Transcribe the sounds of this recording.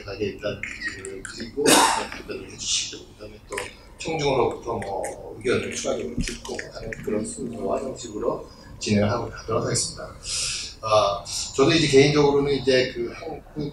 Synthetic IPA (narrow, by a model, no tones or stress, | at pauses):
kʰaɡeit̚t͈ankɯɾiɡoʌntodeɾoɦed͡ʑuɕʰiɡ̥okɯdamjʌnt͈o | t͡ɕʰʌŋd͡ʑuŋɯɾot͡ɕ͈omʌuɡjʌnɯt͡ɕʰuɡa̰ɡeot͡ɕuk͈oanɯnkɯɾʌnsʰuowa̰d͡ʑʌŋɕʰiɡɯɾo | t͡ɕine̞ŋɯɭɦaɡokadʌɾasʰaɡes͈ɯmɲida | ʌt͡ɕʌdoid͡ʑe̞k̬e̞ind͡ʑʌɡɯɾonɯnid͡ʑe̞kɯhaŋɡu